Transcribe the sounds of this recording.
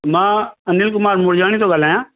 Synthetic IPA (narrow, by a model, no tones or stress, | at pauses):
mãːənɪlk̬ʊmaːɾmʊɽd͡ʒaːɽ̃iːt̪oːɡəlaːjãː